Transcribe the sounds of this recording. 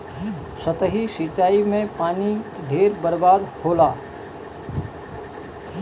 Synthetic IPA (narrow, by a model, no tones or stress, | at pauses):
sət̪əɦisiːt͡ʃaːimẽpaːniɖʱeːɾbəɾbaːd̪hoːlaː